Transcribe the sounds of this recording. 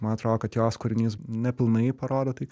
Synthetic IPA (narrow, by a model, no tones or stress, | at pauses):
mɐnɐt̪ɾoːd̪oːkɐt̪joːskʊɾʲɪnʲiːsnʲɛpʲɪlˠnɐɪpɐɾoːd̪oːt̪ɐɪ